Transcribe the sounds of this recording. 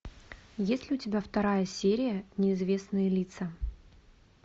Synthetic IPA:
jesʲlʲɪʊtʲɪbʲaft̪ɐɾajəsʲeɾʲɪjənʲɪɪzvʲe̞snɨjəlʲit̪sə

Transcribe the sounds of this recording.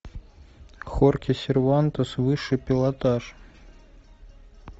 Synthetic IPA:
xorkʲɪsʲɪrvant̪əsvɨʂɨpʲɪlˠat̪aʂ

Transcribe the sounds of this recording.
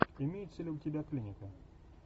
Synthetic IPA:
ɪmʲejʊt̪sʲelʲʊʊtʲɪbʲaklʲinʲɪkʊ

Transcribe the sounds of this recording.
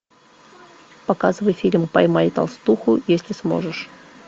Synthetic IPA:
pɐkazɨvəjfʲilʲmpɐjmajʲt̪a̰lˠst̪uxʊjesʲlʲɪsmo̞̰ʐɨʂ

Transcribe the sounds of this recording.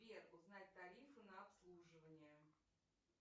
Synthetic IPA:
erʊznatʲt̪ɐɾʲifɨnəɐpslˠuʐɨvənʲɪjə

